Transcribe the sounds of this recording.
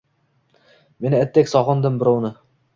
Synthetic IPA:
me̞nɪæt̪ːekʲsɒʁɑnd̪ɪmbɪɾɒwnɪ

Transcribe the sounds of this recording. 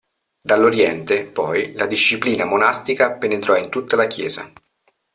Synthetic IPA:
d̪alːoɾjɛnt̪epɔjlad̪iʃːipliːnamonast̪ikapenet̪ɾɔint̪ut̪ːalakjɛ̰ːza̰

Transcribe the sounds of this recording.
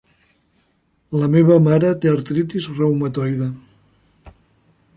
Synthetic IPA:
ləmeβɐmaɾət̪eaɾt̪ɾit̪izrɛwmɐt̪ɔjðə

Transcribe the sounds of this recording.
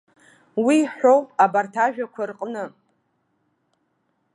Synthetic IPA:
wiħʷowpʼabartʰaʒᶣakʷʰarqʼnɨ

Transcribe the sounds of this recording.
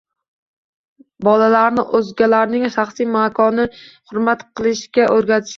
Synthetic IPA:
bɒlalaɾnɪʔɵzɡʲalaɾnɪŋʃaχsijmakʰɒnɪhʊɾmat̪qɨlˠɪʃkʲaʔɵɾɡʲat̪ʰɪ̥ʃ

